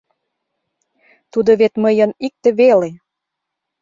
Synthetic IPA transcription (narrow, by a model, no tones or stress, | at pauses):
t̪ud̪oβet̪məjənik̚t̪ĕβele